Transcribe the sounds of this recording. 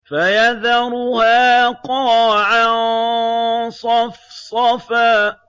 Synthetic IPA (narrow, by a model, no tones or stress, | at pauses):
fajaðɑɾʊhaːqɑʕa | sˤɑfsˤɑfaː